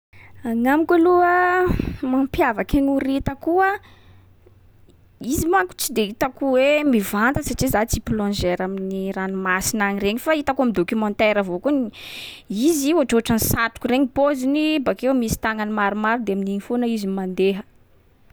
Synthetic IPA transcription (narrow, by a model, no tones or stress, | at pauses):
aŋamikaluə | mampjavakeɲuɾit̪əkuə | izimaku̥t͡sid̪eit̪akuwemivant̪əsaʈ͡ʂizat͡siplɔ̃nd͡ʒeɾaminiranumasinaɲireɲifait̪akuamid̪okimɔ̃nt̪eɾəvokun | izioaʈ͡ʂoʈ͡ʂanisat̪u̥kureɲipozinibakewmisi̥t̪aŋanimaɾumaɾud̪eaminiɲfonəizimand̪eɦə̥